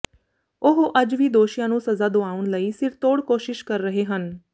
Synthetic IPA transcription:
ʊɦoʔəd͡ʒʋiːd̪oːʃijãːnũːsəzaːd̪oaːʊɳləiːsɪɾt̪oːɽkoːʃɪʃkəɾːəɦeːɦən

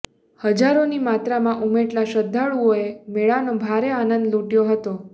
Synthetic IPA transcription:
həd͡ʒaɾonimat̪ɾamãʔumeʈlaʃəd̪ʱːaɭuoemeɭanobʱaɾeanənd̪luʈjoɦət̪o

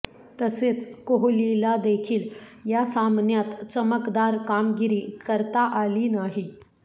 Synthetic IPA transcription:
t̪əset͡skoɦlilad̪ekʰiːljasamnjat̪t͡səməkd̪aɾkamɡiɾiːkəɾt̪aʔalinaɦi

